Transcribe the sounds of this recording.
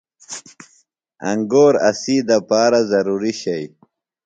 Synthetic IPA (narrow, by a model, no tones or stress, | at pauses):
ɐ̰ŋɡoːɾɐ̰siːd̪apaːɾazɐɾuːɾiɕɐj